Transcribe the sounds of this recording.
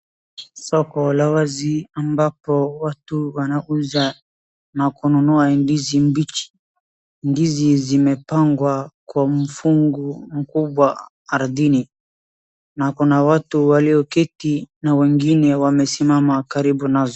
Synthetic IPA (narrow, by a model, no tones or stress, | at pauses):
sɔkɔlawaziambapɔwatuwanaʔuza | nakunɔnɔandizimbit͡ʃi̥ | ndizizimɛpaŋɡwakwamufuŋɡum̩kubwaː | ɾdini | nakunawatuwaliɔkɛtinawɛŋɡinɛwamɛsimamakaɾibunazɔ